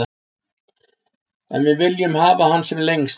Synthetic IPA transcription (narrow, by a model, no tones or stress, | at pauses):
ɛ̰nvɪðvɪljʏmhaːvahansɛmleŋs